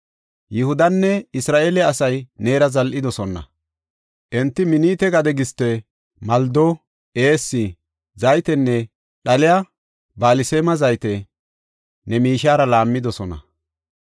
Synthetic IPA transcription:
jɪhʊd̪ɐnːɛɪsɾaːʔelɛɐsɐjne̞ːɾɐzɐlʔɪd̪ɔsɔnːɐ̰ | ʔɛnt̪ːɪmɪniːt̪ɛɡɐd̪ɛɡɪst̪ːɛ | mɐld̪o | eːsːɪ | zɐjt̪ɛnːɛ | ɗɐlɪja | baːlɪseːmɐzɐjt̪ɛ | nɛmiːʃaːɾɐlaːmːɪd̪ɔsɔnɐ̰

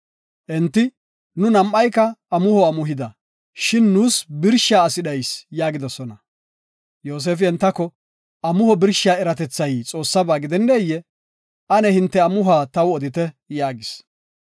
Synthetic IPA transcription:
ʔɛnt̪ːɪ | nʊnɐmʔɐjkːɐɐmʊhɔɐmʊɦɪd̪ɐ | ʃɪnːuːsbɪɾʃaːɐsɪɗɐjsjaːɡɪd̪ɔsɔnɐ | jo̞ːs̬eːfɪɛnt̪ːɐkːɔ | ɐmʊhɔbɪɾʃaːɛɾɐt̪ɛt͡sːɐjt͡sʼo̞ːsːɐbaːɡɪd̪ɛnːeːjːɛ | ɐnɛhɪnt̪ːɛɐmʊɦaːt̪ɐwɔd̪ɪt̪ɛ | jaːɡɪs

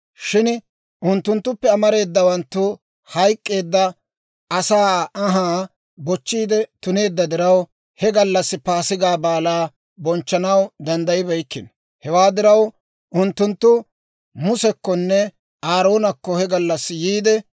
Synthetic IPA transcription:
ʃɪn | ʔʊnt̪ːʊnt̪ːʊpːɛɐmɐɾe̞ːd̪ːɐwɐnt̪ːʊ | hɐjkʼːe̞ːd̪ːɐ | ɐsaːɐɦaː | bɔt͡ʃːiːd̪ɛt̪ʊne̞ːd̪ːɐd̪ɪɾɐw | hɛɡɐlːɐsːɪpaːsɪɡaːbaːlaː | bɔnt͡ʃːɐnɐwd̪ɐnd̪ɐjɪbɐjkːɪn | hɛwaːd̪ɪɾɐw | ʔʊnt̪ːʊnt̪ːʊ | mʊsɛkːɔnːɛ | aːɾo̞ːnɐkːɔhɛɡɐlːɐsːɪjiːd̪ɛ

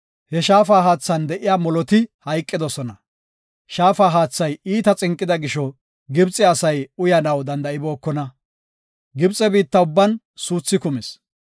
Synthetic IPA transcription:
hɛʃaːfaːɦaːt͡sːɐnd̪ɛʔɪjaːmɔlɔt̪ɪhɐjkʼːɪd̪ɔsɔnɐ | ʃaːfaːɦaːt͡sːɐjiːt̪ɐt͡sʼɪŋkʼːɪd̪ɐɡɪʃɔ | ɡɪbt͡sʼːɛɐsɐjʊjɐnɐwd̪ɐnd̪ɐɪbo̞ːkːɔnɐ | ɡɪbt͡sʼːɛbiːt̪ːɐʊbːɐn | suːt͡sːɪkʊmɪs

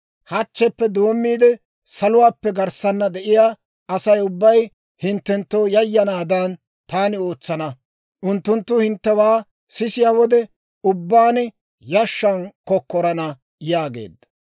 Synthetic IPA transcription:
hɐt͡ʃːɛpːɛd̪o̞ːmːiːd̪ɛ | sɐlʊwaːpːɛɡɐɾsɐnːɐd̪ɛʔɪjaː | ɐsɐjʊbːɐj | hɪnt̪ːɛnt̪ːo̞ːjɐjːɐnaːd̪ɐn | t̪aːnɪo̞ːt͡sːɐnɐ | ʔʊnt̪ːʊnt̪ːʊhɪnt̪ːɛwaː | sɪsɪjaːwɔd̪ɛ | ʊbːaːn | jɐʃːɐnkɔkːɔɾɐnɐ | jaːɡe̞̰ːd̪ːɐ̥

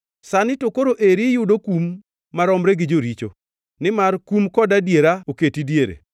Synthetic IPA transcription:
sanɪtokoɾoʔeɾijʊdokumː | aɾɔmɾeɡɪd͡ʒoɾit͡ʃo | nɪmarkumkɔdadjeɾaoketidjeɾḛ

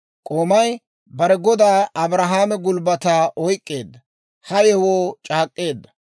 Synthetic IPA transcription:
kʼoːmɐj | bɐɾɛɡɔd̪aːɐbɾɐɦaːmɛɡʊlbɐt̪aːʔɔjkʼːe̞ːd̪ːɐ | hɐjɛwoːt͡ʃʼaːkʼːe̞ːd̪ːɐ

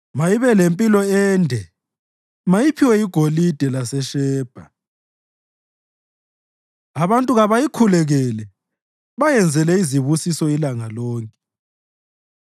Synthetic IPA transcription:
majiβɛlempʼilɔɛːndʱɛ | majipʰiwɛiɡ̥ʱolid̥ʱɛlasɛʃɛːb̥ʱa | aβantʼuɣaβajikʰulɛɣɛlɛ | βajɛnd͡zʱɛlɛiziβusisɔilaŋalɔːŋkʼɛ

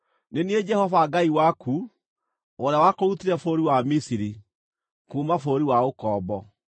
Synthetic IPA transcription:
nenied͡ʒɛhɔvaɡaiwaku | oɾeawakoɾutiɾɛfoɾiwamisiɾi | kuːmafoːɾiwaokɔːbɔ

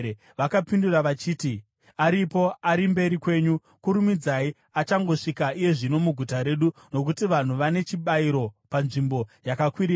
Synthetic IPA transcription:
ʋakapinduraʋat͡ʃiːti | aɾipo̞aɾimbe̞ɾikwe̞ːɲu | kuɾumid͡zai | at͡ʃaŋɡo̞ʂikaije̞ʐino̞muɡʱutaɾe̞ɗuno̞k̬utiʋan̤uʋane̞t͡ʃiɓaiɾo̞panʐimbo̞jakakwiɾi

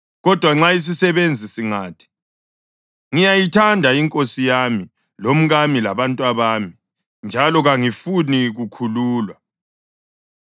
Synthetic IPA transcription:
ɣɔd̥ʱwaŋ͡ǁais̬isɛβend͡zʱisiŋaːtʰi̥ | ŋijajitʰandʱaiŋkʼosijami | lom̩ɣamilaβantʼwaβaːmi | nd͡ʒʱalɔɣaŋifuniɣukʰuluːlwa

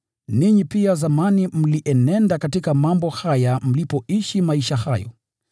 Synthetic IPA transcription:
niɲipiazamanim̩liʔɛnɛndakatikamambɔhajam̩lipɔiʃimaiʃahajɔ̰

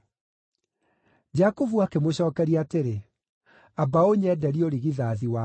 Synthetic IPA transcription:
d͡ʑakovuakemoɕɔːkɛɾiateɾe | abaoɲɛdɛɾioɾiɣiðaðiwa

